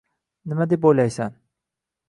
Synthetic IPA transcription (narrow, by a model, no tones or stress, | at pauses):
nɪmad̪epojlajsan